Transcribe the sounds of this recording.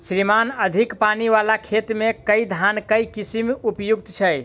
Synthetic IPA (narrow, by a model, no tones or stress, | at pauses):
sɾimanəd̪ʱikpaniʋalakʰet̪mekəid̪ʱankəjkisimupjuɡ̚t̪t͡ʃʰəj